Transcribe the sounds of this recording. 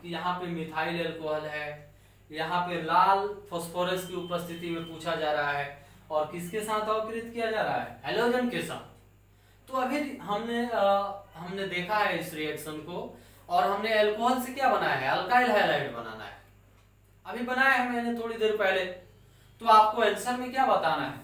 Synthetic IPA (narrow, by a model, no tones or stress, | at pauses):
kijɐɦãpemɪt̪ʰaːɪlɛːlkoːɦəlɦɛː | jɐɦãpelaːlpʰɔːspʰoːɾesʈkiʊpəst̪ʰɪt̪imẽpuːt͡ʃʰad͡ʒaːɾɐɦaɦɛ | ɔːɾkɪskesaːt̪ʰɔːkɾɪt̪kijad͡ʒaːɾɐɦa̰ɦɛ̰ɦɛloːd͡ʒənkesa̰ːt̪ | t̪oɐbʱiɦɐmne | ɦɐmned̪eːkʰaɦɛɪsɾiɛːkʃənko | ɔːɾɦɐmneɛlkoɦəːlsekjabɐnaːja̰ɦɛɛlkaːɪlɦɛːlaːɪʈbɐna̰ːna̰ɦɛː | ɐbʱibɐnaːjeɦɐmenẽt̪ʰoːɽid̪eːɾpɛɦle | t̪oaːp̚koɛlksəɾmẽkjaːbɐt̪anaɦɛ̰ː